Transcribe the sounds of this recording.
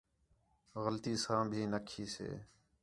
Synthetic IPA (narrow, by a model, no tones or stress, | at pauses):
ɣəlt̪iːsãːbʱiːnəkʰiːsḛː